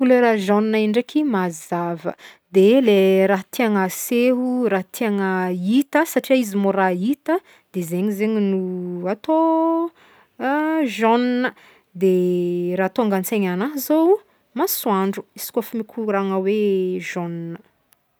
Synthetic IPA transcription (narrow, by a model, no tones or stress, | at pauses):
uleɾaʒoninaiɳɖ͡ʐekimazavə̰d̪eleɾaɦt̪ʰeaŋaseɦuɾaɦt̪ʰeaŋəit̪əsaʈ͡ʂiaizimoɾait̪ə | d̪̥ezeɲizeɲinuat̪o | ʒɔnnə | d̪eɾaːat̪oaŋɡant͡seɲanaɦzow | maswaɳɖ͡ʐu̥isi̥kʲafimikʲʰuɾaŋaweʒonnə